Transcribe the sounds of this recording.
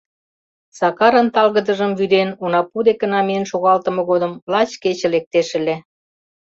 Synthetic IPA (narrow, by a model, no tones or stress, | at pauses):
sɑkɑɾənt̪ɑlɣəd̪ə̆ʒəmvyd̪enunɑpud̪ekə̆nɑmejənʃoɣɑlt̪ə̆mɤ̆ɣod̪ə̆mlɑt͡ɕket͡ɕə̆lek̚t̪eʃə̆lʲe